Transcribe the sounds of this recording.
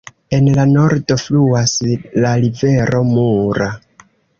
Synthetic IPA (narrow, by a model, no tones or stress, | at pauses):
e̞nlano̞ɾdo̞fluaslaɾive̞ɾo̞muɾa